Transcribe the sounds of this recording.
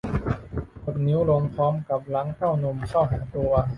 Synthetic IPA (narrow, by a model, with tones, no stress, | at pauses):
ko˨˩t̪̚ni˦˥wlo˧mpʰɔː˦˥mka˨˩p̚la˦˥ŋkʰa˥˩wno˧mkʰa˥˩wɦaː˩˦t̪u˧ɐ